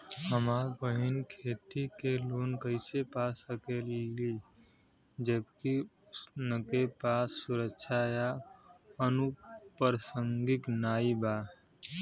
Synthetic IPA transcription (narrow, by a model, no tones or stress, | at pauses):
ɦəmaːɾpəɦɪnkʰeːt̪ikeloːnkəɪsepaːsəkeli | d͡ʒəbkiʊsnəkepaːsːʊɾəkʃʰaja | ənupəɾsəŋɡɪknaːiba